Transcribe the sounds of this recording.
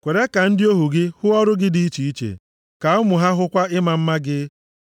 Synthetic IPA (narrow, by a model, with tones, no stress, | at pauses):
kʷe˨ɾe˦ka˨n̩˦dɪ˦o˦ɦu˨ɡɪ˦hʊ˦ɔ˦ɾʊ˦ɡɪ˦dɪ˨˦i˦t͡ʃi˨i˦t͡ʃḛ˨ | ka˨ʊ˦mʊ˨ɦa˦ɦʊ˦kʷa˦ɪ˦ma˨m̩˦ma˦ɡɪ˦